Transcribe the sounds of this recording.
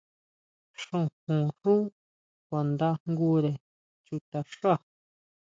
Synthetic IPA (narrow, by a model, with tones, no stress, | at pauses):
ʂũ˧˨hũ˨ʂũ˦ | kʷa˨nd̪a˦ŋɡu˦ɾe˨ | t͡ʃu˧t̪a˧ʂa˦˨